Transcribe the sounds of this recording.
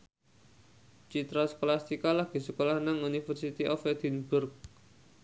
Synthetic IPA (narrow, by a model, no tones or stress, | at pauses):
t͡ʃit̪ɾasə̥kolast̪ikalaɡ̥i̤səkolahnaŋunifərsit̪iʔɔfɛd̪̥inbʊrk̚